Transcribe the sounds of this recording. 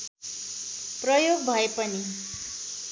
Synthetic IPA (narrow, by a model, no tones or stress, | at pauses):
prʌjoɡ̚bʱʌepʌni